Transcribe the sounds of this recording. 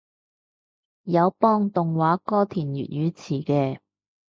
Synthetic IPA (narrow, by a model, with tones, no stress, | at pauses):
jɐ˨˧wpɔː˥ŋt̪ʊ˨ŋwaː˨˥kɔː˥t̪ʰiː˨˩njy̰ː˨˩t̚jyː˨˧t͡sʰiː˨˩kɛː˧